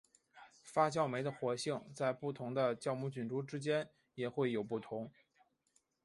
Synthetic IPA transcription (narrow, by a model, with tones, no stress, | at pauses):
fa˥t͡ɕjɑ˥˩ʊme˧˥ɪd̪ə˧xwɔ˧˥ɕi˥˩ŋt͡sa˥˧ɪpu˥˩t̪ʰʊ˧˥ŋd̪ə˧t͡ɕjɑ˥˧ʊmu˥˩t͡ɕy˨˩nʈ͡ʂu˥ʈ͡ʂɻ̩˥t͡ɕjɛ˥n | jɛ˨˩xwe˥˩ɪjo˨˩ʊpu˥˩t̪ʰʊ˧˥ŋ